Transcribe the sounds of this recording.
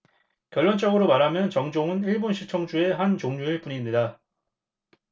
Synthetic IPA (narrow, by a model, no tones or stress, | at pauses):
kjʌɭːwʌnt͡ɕ͈ʌɡɯɾomaɾɦamjʌnt͡ɕʌŋd͡ʑoŋɯniɭbonɕʰit͡ɕʰʌŋd͡ʑue̞ɦant͡ɕoŋɲueɭpuɲimɲida